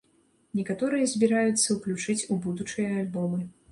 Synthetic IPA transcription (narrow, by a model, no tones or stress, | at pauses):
nʲɛkat̪ɔɾɨjɐzʲbʲiɾajut̪sːɐwklʲut͡ʂɨt͡sʲubud̪ut͡ʂɨjɐalʲbɔmɨ